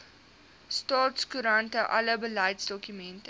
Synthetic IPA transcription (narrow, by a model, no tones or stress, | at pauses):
stɑːtskuɾɐntəʔɐ̰ləbəlɐjtsdɔkymɛntə